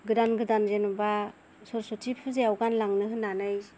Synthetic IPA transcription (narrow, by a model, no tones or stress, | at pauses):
ɡɯdanɡɯdanzenuba | sɔɾsɔtʰipʰɯzeawɡanlaŋnɯɦɯnːanaj